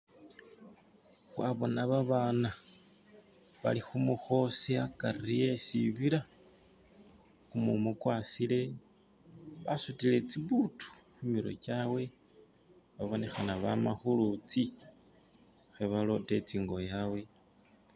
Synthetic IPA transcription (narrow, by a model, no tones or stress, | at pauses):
xwaβo̞naβaβaːna | βa̰lixumuxo̞siakarije̞siβiɾa | kumumukwasile̞ | βa̰sutile̞t͡siβutu̥xumiɾo̞̰t͡ʃawe̞ | βaβo̞ne̞xanaβamaxulut͡si | xeβalo̞te̞t͡siːŋɡo̞jawe̞